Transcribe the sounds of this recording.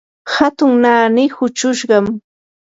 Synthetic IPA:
hat̪ʊŋnaːnɪhʊt͡ʃʊʃɢɑm

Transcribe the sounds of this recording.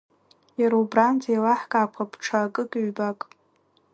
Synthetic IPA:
jaɾuubrand͡zʰejlaħkʼaːkʷʰapʰʈ͡ʂʰakʼɨkʼɥbakʼ

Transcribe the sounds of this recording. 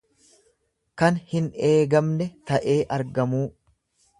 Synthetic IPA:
kɐnhɪne̞ːɡɐmnɛt̪ɐʔeːʔɐɾɡɐmuː

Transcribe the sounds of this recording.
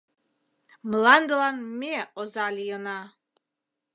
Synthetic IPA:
mlˠɑnd̪əlɑnmeozɑlʲijənɑ

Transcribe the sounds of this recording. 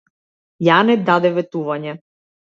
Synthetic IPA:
janɛd̪ad̪ɛvɛt̪uvaɲɛ

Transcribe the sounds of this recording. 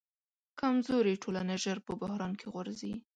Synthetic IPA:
kamzoɾiʈʰolanaʒəɾpəbʊhɾɑnkʰeɣwaɾzi

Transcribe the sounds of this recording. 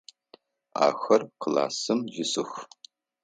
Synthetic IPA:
a̰ːxɐrqəla̰ːsɨmʒɪsɨxʷ

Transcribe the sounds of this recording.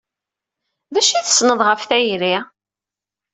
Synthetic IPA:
ðæʃiθə̥snəðˤʁəfθæjɾi

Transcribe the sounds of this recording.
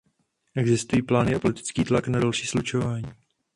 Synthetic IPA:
ʔɛɡzɪst̪ujiːplaːnɪʔapo̞lɪt̪ɪ̥t͡skiːt̪laknadalʃiːslut͡ʃo̞vaːɲiː

